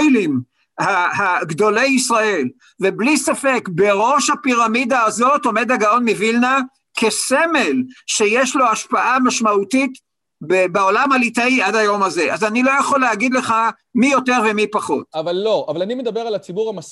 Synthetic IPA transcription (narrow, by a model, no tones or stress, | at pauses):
jlim | hahaɡd̪o̞lejisʁae̞l | veblisafe̞kbe̞ʁo̞ʃhapiʁamidaːzo̞to̞me̞daɡao̞nmivilna | kʰe̞se̞me̞lʃe̞jeʃlo̞aʃpaʔamaʃmautit | bebeo̞lamalitaiadajo̞maze̞ʔazanilo̞jaχo̞leaɡid̪le̞χa | mijo̞te̞ʁvemipaχo̞t̚avalːoʔavalanimed̪abeʁalat͡sibuʁhamas